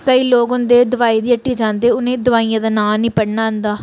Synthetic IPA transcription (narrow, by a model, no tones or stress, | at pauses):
kəiːloːɡɦʊnd̪eːd̪ʊʋaːiːd̪iːəʈːiːd͡ʒãːnd̪eːʊnẽːd̪ʊʋaːijãːd̪aːnaːnĩːpəɽnaːɦənd̪aː